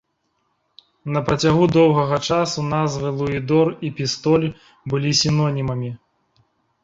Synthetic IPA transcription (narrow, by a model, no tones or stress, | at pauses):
nɐpɾɐt͡sʲaɣud̪ɔwɣɐɣɐt͡ʂasunazvɨlˠuid̪ɔripʲist̪ɔlʲ | bɨlʲisʲinɔnʲimɐmʲi